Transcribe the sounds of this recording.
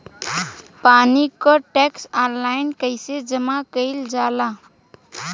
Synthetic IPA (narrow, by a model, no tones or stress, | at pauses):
paːnikɔʈɛksanlaɪnkəɪsed͡ʒəmakəɪld͡ʒaːla